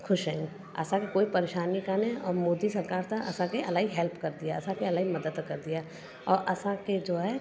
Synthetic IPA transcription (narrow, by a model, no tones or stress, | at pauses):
kʰʊʃɦɛ̃ːŋ | ɐ̰sãkekoːipɐɾeːʃaːnikaːneɔːɾmoːd̪isɐɾkaːɾt̪aɐsãkeʔɐlaːɦiɦɛlpkɐɾd̪ijaɐsãkeɐlaːimɐd̪əd̪kɐɾd̪ija | ɔːɾʔɐsãked͡ʒoːɦɛ